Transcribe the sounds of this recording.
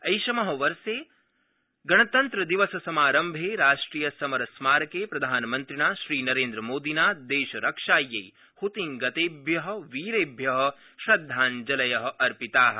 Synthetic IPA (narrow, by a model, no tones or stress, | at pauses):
ɐjʃɐmɐɦɐ̆ʋɐɾseː | ɡɐɳɐt̪ɐnt̪ɾɐd̪iʋɐsɐsɐmaːɾɐmbʱeːɾaːʂʈɾiːjɐsɐmɐɾɐsmaːɾɐkeːpɾɐd̪ʱaːnɐmɐnt̪ɾiɳaːʃɾiːnɐɾeːnd̪ɾɐmoːd̪inaːd̪eːʃɐɾɐkʂaːjːɐj | hut̪iŋɡɐt̪eːbʱjɐɦɐ̆ʋiːɾeːbʱjɐɦɐ̆ | ʃɾɐd̪ʱːaːnd͡ʒɐlɐjɐɦɐ̆ʔɐɾpit̪aːɦɐ̆